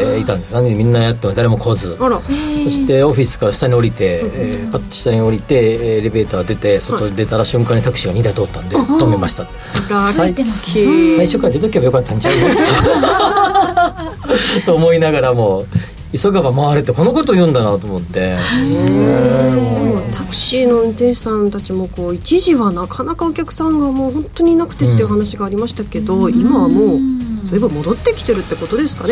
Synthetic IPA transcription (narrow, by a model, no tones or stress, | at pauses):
it̪ãnd̪enãɲinimʲĩnːajat̪̬ːemod̪aɾe̞mo̞kʰo̞zɨso̞ɕi̥t̪e̞o̞ɸʲisɨ̥kaɾaɕi̥t̪aɲ̟io̞ɾʲit̪e̞pat̪ːo̥ɕi̥t̪aɲ̟io̞ɾʲit̪e̞ɾe̞be̞ːt̪aːd̪e̞t̪e̞sot̪o̞ɲid̪e̞t̪aɾaɕɨ̃ŋkãɲ̟it̪akɯ̟̥ɕiɡaɲ̟id̪ait̪o̞ːt̪ːãnd̪et̪o̞memaɕi̥t̪at̪ːesai | saiɕo̞kaɾad̪e̞t̪̬okʲibajo̞kat̪ːãɲit͡ɕaɯna | t̪oːmo̞inaɡaɾamo̞ | isoɡaβamaβaɾɯt̪ːeko̞noko̞t̪oːjɯ̃nd̪anat̪o̞ːmo̞t̪ːe̞̰ | ot̪akɯ̟̥ɕiːno̞ɯ̟̃nt̪ẽɰ̃ɕi̥sãnt̪at͡ɕimo̞ko̞ːit͡ɕiʑiβanakʰanakaokʲakɯ̥sãŋɡamo̞ːhõ̞nt̪o̞ɲ̟inakɯ̟̥t̪e̞t̪ːeiɯ̟ɦanaɕiɡaːɾʲimaɕi̥t̪ake̞d̪o̞imaβmo̞ːzoɾebɯ̟mo̞d̪o̞t̪ːe̞kʲi̥t̪e̞ɾɯ̟t̪ːe̞ko̞t̪o̞d̪e̞sɨ̥kane